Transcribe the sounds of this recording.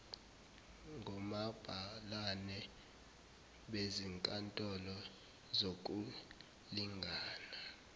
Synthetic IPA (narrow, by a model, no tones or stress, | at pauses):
ŋʱɔmab̥ʱalanɛ | ɓeziŋkʼantʼɔlɔ | zok̬ʼu | liŋɡʱaːna